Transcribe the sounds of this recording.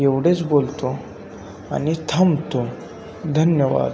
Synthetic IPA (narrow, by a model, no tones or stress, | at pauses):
eʋɽet͡sbolt̪o | a̰nit̪ʰɐmt̪o | d̪ʱənjəʋa̰d̪